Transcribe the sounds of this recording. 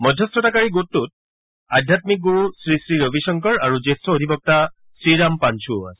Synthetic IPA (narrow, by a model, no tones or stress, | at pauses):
mɔdʱjɔstʰɔtakaɹiɡutːut̚ | adʱjatmik̚ɡuɹusɹisɹiɹobisɔŋkɔɹaɹuzestɔodʱipɔk̚ta | sɹiɹampansʰua̰sɛ̥